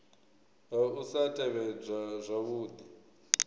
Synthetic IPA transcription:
usatʰʼɛβɛb͡ʐʷazʷaβuːd̪i

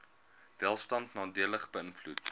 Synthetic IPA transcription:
vælˠstɐntnɑːdiələχbəənflut

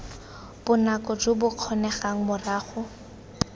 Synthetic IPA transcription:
bʊnakɔd͡ʒʊbʊq͡χʰɔnɛχaŋ̩mʊraːχʊ

